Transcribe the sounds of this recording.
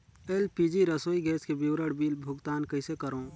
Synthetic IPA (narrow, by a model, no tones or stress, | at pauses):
eːlpiːd͡ʒiɾɐsoːiɡɛːskebɪʋwɾəɽbiːlbʱʊɡt̪aːnkɐɪsekɐɾõː